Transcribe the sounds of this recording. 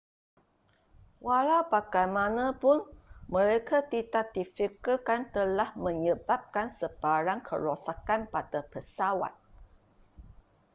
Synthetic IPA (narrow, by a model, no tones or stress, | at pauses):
walawpaɡajmãnãpʊnmə̃ɾekʰat̪idak̚difikulkant̪əlahmə̃ɲəbap̚kansəb̥aɾaŋkʰə̰ɾosakanpadapəsawa̰t̪̚